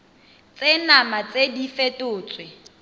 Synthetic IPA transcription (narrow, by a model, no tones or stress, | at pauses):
t͡sʼenamat͡sʼedifetʼʊːt͡sʼwɪ